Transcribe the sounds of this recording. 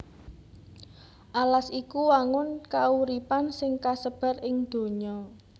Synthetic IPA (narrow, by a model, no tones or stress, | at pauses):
ʔalasikuwaŋʊnkauɾipansɪŋkasəb̥a̤rɪŋd̪̥o̤ɲɔ